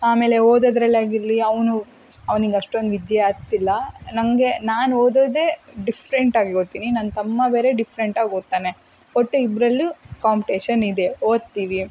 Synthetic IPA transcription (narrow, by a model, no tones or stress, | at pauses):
aːme̞ːle̞oːd̪oːd̪ɾɐlːaːɡiɾliɐʋɐnu | ɐʋɐniŋɡɐʂʈɐŋɡid̪eat̪ilːɐnɐŋɡe̞naːnoːd̪oːd̪e̞ɖifʰɾeɳʈaːɡeɡot̪ːiːninaːnt̪ɐmːɐbeːɾe̞ɖifʰɾeɳʈaːɡoːt̪ːaːne | oʈːuibɾɐlːukaːmpiʈeːʃɐnid̪e̞oːd̪̚t̪iːʋi